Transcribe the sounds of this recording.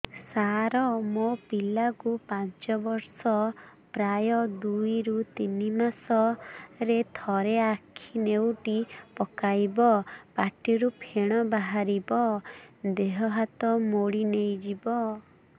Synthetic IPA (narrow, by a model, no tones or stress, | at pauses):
saɾɔmopilakupant͡ʃɔbɔɾsɔ | pɾajɔd̪ujɾut̪inimasɔɾet̪ʰɔɾeakʰinewʈipɔkajbɔpaʈiɾupʰeɽ̃ɔbaɦaɾibɔd̪eɦɔɦat̪ɔmoɽinejd͡ʒibɔ